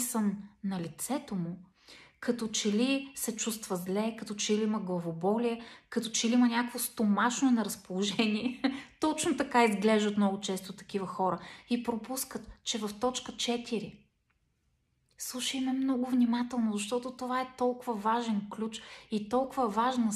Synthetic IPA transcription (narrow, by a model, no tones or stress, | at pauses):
səmnɐlit̪sɛt̪omʊ | kɐt̪ɔt͡ʃɛlisɛt͡ʃust̪vəzlɛkɐt̪ɔt͡ʃɛiliiməɡlˠɐvobɔliɛkɐt̪ɔt͡ʃɛliimɐnʲakvost̪omaʃnoɛnɐɾɐspolˠoʒɛniɛt̪ɔt͡ʃnot̪ɐkaizɡlɛʒd̪ət̪mnɔɡʊt͡ʃɛst̪ot̪ɐ̥k̟ivəxɔɾəipɾopuskət̪t͡ʃɛvɐft̪ɔt͡ʃkət͡ʃɛt̪ʰiɾi | slˠuʃimɛmnɔɡʊvnʲimat̪ɛlˠnozɐʃt̪ɔt̪ot̪ovaɛt̪ɔlˠkʊvɐvaʒɛnklʲut͡ʃit̪ɔlˠkʊvəvaʒnə